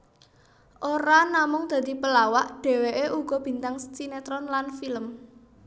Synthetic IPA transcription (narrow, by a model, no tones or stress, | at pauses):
ʔoɾanamʊŋd̪̥ä̤d̪̥i̤pəlawaʔɖ̥e̤weʔeʔuɡ̥ɔ̤b̥i̤nt̪aŋst͡ʃinet̪ɾɔnlanfiləm